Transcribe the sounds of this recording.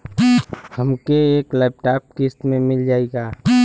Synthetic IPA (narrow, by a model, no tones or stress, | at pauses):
həmkeeːklaːp̚ʈaːp̚kɪst̪mẽmɪld͡ʒaːeɡaː